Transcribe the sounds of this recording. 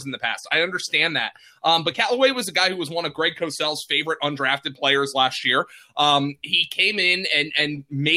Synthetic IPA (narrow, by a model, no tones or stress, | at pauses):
zn̩ðɨpʰæ̰staɪʌ̃ndə˞stæ̃nðæ̰t̚ | ʔʌ̃mbʌt̚kʰæʔlˠəweɪwʌzɨɡaɪhuwʌzwʌ̃nʌvɡɹeɪkʰoʊsɛlˠz̥feɪvə˞ɨɾʌ̃ndɹæftɨd̚pʰl̥eɪə˞zlæst̚jɪɹʔʌ̃mikʰẽɪ̃mɪ̃nɨ̃nɨ̃nmeɪ